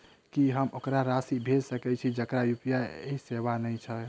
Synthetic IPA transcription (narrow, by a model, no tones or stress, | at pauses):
kiɦəmokɾaɾasibʱed͡ʒsəkɛt͡ʃʰid͡ʒəkɾajupjaeseʋanəjt͡ʃʰɛ